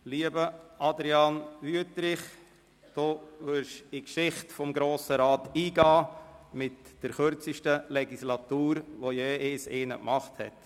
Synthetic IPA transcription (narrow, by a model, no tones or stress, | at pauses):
liːəbəʔɑd̪ɾiɑnʋyətɾɪχ | d̥oːvʏɾʃɪkʃɪχtfɔmɡɾoːsəɾɑːtiːɡɑːmɪtd̥əɾχøɾt͡siʃtəlɛɡislɑt̪uːɾʋojeːʔɪːsɪːnəkmɑχthɛ̰t